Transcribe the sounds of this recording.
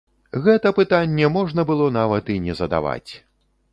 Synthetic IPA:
ɣɛt̪ɐpɨt̪anʲːɛmɔʐnɐbɨlˠɔnavɐt̪inʲɛzɐd̪a̰va̰t͡sʲ

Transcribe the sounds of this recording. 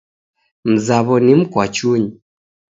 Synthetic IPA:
m̩zaβɔnim̩kwat͡ʃuɲi

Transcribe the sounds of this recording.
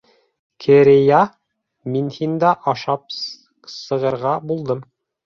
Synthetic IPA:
kʰɘ̆ɾɘjɑ | minhind̪ɑʔɑʃɑp̚ | sɤ̆ʁɤ̆ɾʁɑbulˠd̪ɤm

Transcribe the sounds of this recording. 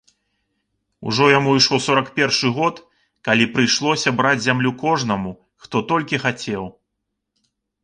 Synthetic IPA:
ṵʐɔjamuiʂlˠɔsɔɾɐkpʲɛrʂɨɣɔt̪ | kalʲipɾɨjʂlˠɔsʲɐbɾad͡zʲzʲamlʲukɔʐnɐmu | xt̪ɔt̪ɔlʲkʲixat͡sʲɛw

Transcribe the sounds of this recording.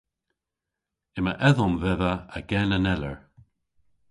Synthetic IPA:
ɪməʔɛðʊmvɛðəəɡɛnənɛləɹ

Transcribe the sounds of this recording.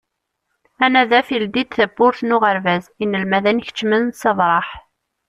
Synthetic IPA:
ænæðæfild̪id̪θəbːʊɾθnʊʁəɾvæzinːəlmæðænçə̥t͡ʃːmənsɑðˤɾˤɑħ

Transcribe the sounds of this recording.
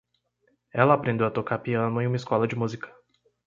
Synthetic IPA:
ɛlɐapɾẽnd̪ewɐt̪okaɾpiɐ̃nʊẽũmɐɪskɔlɐd͡ʒɪmuzikɐ̥

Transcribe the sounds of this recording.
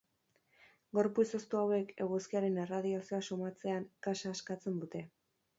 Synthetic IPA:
ɡo̞ɾput͡sost̪uawe̞ke̞ɣoskiaɾe̞ne̞rað̞iasioasomat͡se̞aŋkasaːskat͡se̞nd̪ut̪e̞

